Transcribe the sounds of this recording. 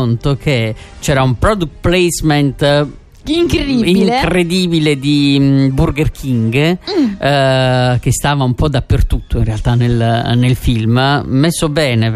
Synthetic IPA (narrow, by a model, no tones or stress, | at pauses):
ont̪okʰet͡ʃɛːɾaumpɾɔd̪ukt̪̚plɛzmɛnt̪ | iŋkɾd̪iiiŋkred̪iːbiled̪iburɡerkʰiŋɡ | k̟est̪aːvaumpɔd̪apːert̪ut̪ʰːoinrealt̪anelnelfilmmesːobɛːne